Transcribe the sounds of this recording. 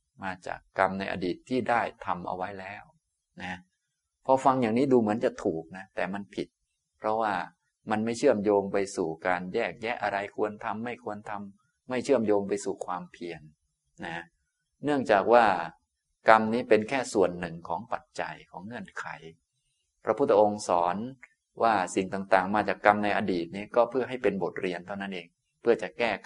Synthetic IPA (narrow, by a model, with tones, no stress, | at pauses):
maː˧t͡ɕa̰ː˨˩kːa˧mna˧jʔa̰˧diː˨˩t̪ʰːiː˥˩daː˥˩jt̪ʰa˧mʔa̰˧wa˦˥jlɛː˦˥˩w | na˦˥ | pʰɔ˧fa˧ŋjaː˨˩ŋniː˦˥duː˧mɯ˩˦ənt͡ɕa˨˩t̪ʰuː˨˩k̚na˦˥t̪ɛː˨˩ma˧npʰi˨˩t̪̚ | pʰɾɔ˦˥waː˥˩ | ma˧nma˥˩jt͡ɕʰɯ˥˩əmjoː˧ŋpa˧jsuː˨˩kaː˧njɛː˥˩k̚jɛ˦˥ʔa˧ɾa˧jkʰu˧ənt̪ʰa˧mːa˥˩jkʰu˧ənt̪ʰa˧mː | a˥˩jt͡ɕʰɯ˥˩əmjoː˧ŋpa˧jsuː˨˩kʰwaː˧mpʰi˧ənː | a˦˥ | nɯ˥˩əŋt͡ɕaː˨˩k̚waː˥˩ | ka˧mniː˦˥pe˧nkʰɛː˥˩su˨˩ənːɯ˨˩ŋkʰɔː˩˦ŋpa˨˩t̪̚t͡ɕa˧jkʰɔː˩˦ŋːɤ˧˥˩ənkʰa˩˦j | pʰɾa˧pʰu˥˩t̪ʰːa˧ʔo˧ŋsɔː˩˦n | wʔaː˥˩si˨˩ŋt̪aː˨˩ŋt̪aː˨˩ŋmaː˧t͡ɕaː˨˩kːa˧mna˧jʔa˧diː˨˩t̪̚niː˦˥kɔː˥˩pʰɯ˥˩ɐɦa˥˩jpe˧nbo˨˩t̪̚ɾi˧ənt̪ʰa˥˩wna˦˥nʔeː˧ŋ | pʰɯ˥˩ɐt͡ɕa˨˩kɛː˥˩